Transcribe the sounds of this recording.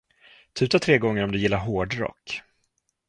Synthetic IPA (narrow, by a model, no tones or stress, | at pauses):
t̪ʰʉ̟ːt̪at̪ʰɾeːɡɔŋːəɾɔmd̪ɵjɪlːaɾɦoːɖɾɔ̰kː